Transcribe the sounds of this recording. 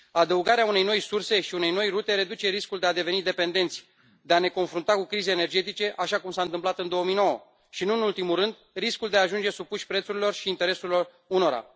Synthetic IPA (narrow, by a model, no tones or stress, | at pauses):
ad̪əuɡaɾeaune̞jno̞jsurse̞ʃiune̞jno̞jrut̪e̞ɾe̞d̪ut͡ʃe̞ɾiskuld̪e̞ad̪e̞ve̞nid̪e̞pe̞nd̪e̞nt̪sʲ | d̪e̞ane̞ko̞nfɾunt̪akukɾizeːne̞rd͡ʒe̞t̪it͡ʃe̞ʔaʃakumsaɨnt̪ɨmplat̪ɨnd̪o̞omijno̞wə | ʃinuɨnult̪imurɨnd̪ | riskuld̪eaːʒund͡ʒe̞supuʃʲpɾe̞t̪suɾilo̞rʃiːnt̪e̞ɾe̞suɾilo̞r | uno̞ɾa̰